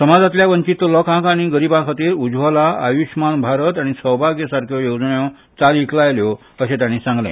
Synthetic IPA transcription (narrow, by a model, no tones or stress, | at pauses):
səmad͡zat̪ljaʋəɲt͡ɕit̪ːlɔkãkaɽ̃iɡəɾibãkʰat̪iːɾud͡zʋəlaa̰juɕmanbʱaɾət̪aɽ̃isəwbʱaɡjəsaɾkʰjɔjod͡zɳjɔ̃ | t͡saliklajljɔ | əɕẽt̪jaɽ̃ĩsãŋɡlɛ̰̃